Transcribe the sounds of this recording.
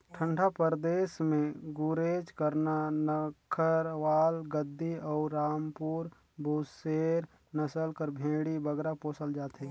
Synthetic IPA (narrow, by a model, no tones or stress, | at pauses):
ʈʰə̃ɳɖʱapəɾd̪eːsmẽɡuɾeːd͡ʒkəɾnanəkʰəɾʋaːlɡəd̪ʱːiɔːɾɾaːmpuːɾ | bʱuːseːɾ | nəsəlkəɾbʱẽːɽibəɡɾapoːsəld͡ʒaːt̪ɦeː